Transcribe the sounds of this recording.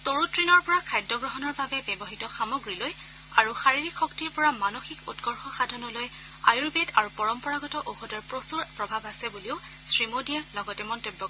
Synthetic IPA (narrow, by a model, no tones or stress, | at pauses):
toɹutɹinɔɹpɔɹakʰajdɔɡɹɔɦɔnɔɹbabɛbjɛbɔɦitɔxamoɡɹiloj | aɹuxaɹiɹikʰːɔktiɹpɔɹamanoxikṵtɡɔɹxɔxadʱɔnɔloj | ajuɹbedaɹupɔɹɔmpɔɹaɡɔtɔʔoxɔdɔɹpɹosuɹpɹɔbʱabasɛbuliʊ | sɹimodiɛlɔɡɔtɛmɔntojbːɔk